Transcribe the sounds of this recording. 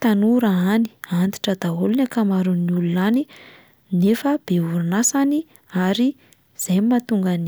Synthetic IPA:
t̪anuɾaani̥ant̪i̥ʈ͡ʂəd̪aɦolunakamaɾuniulunani | nefəb̥euɾunasani | aɾi | z̥ajmmːat̪uŋɡani

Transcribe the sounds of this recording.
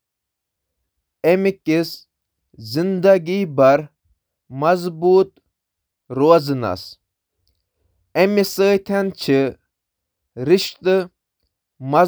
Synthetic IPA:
emikis | zind̪aɡiːbɐɾ | mɐzbuːt̪ | ɾuazɨna̰s | emisət̪ʰant͡ʃʰi | ɾiʃt̪ɨ | mɐ

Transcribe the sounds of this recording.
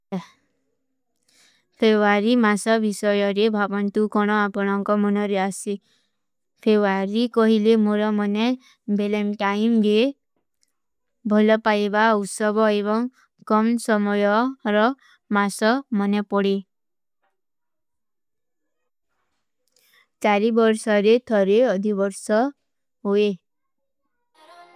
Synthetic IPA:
pʰebuaɾimasɔbisɔjɔɾebʱabɔnt̪ukɔɽ̃ɔapɔɽ̃ɔŋkɔmɔnɔɾeasi | pʰebaɾikɔɦilemoɾɔmɔne | belemʈaimɾe | bʱɔlɔpajbaut̪sɔbɔeβɔŋ | kɔmsɔmɔjɔɾɔ | masɔmɔnepɔɽe | t͡ʃaɾibɔɾsɔɾet̪ʰɔɾeɔd̪ʱibɔɾsɔ | ɦoe

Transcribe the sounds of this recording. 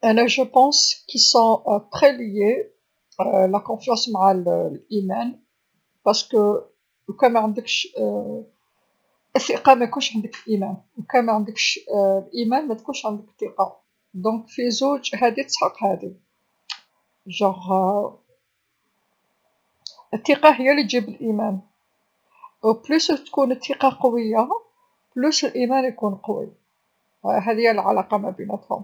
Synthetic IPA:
ʔænæʒəpɑ̃skisɔ̃pχelje | lækɔ̃fjɑ̃smʕallʔimæn | pɑʁskə | kæmæʕənd̪əkʃ | ʔæsiqɑmækunʃʕənd̪əkəlʔimænwkæmæʕənd̪əkʃlʔimænmæt̪kunʃʕənd̪əkt̪ːiqɑ | d̪ɔ̃kfizuʒɦæd̪it̪ə̥sħɑqhæd̪i | ʒæʁ | ət̪ːiqɑɦəjːælit̪ʒibəlʔimæn | wblust̪kunət̪ʰːiqɑqɑwəjːa | blusəlʔimænjkunqɑwḭ | ɦæd̪əjːælʕalɑqɑmæbinæt̪hʊ̰m

